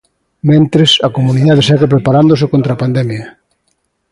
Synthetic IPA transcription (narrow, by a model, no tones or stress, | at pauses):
mẽnt̪ɾesɐkomũniðað̞esɛɣep̬ɾepaɾand̪osekont̪ɾapand̪ɛmjɐ